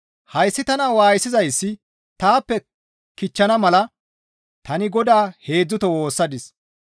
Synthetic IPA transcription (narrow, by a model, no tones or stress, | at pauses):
hɐjsːɪt̪ɐnawaːjsɪzɐjsːɪ | t̪aːpːɛ | kɪt͡ʃːɐnɐmɐlɐ | t̪ɐnɪɡɔd̪aːhe̞ːd͡zːʊt̪ɔwo̞ːsːɐd̪ɪs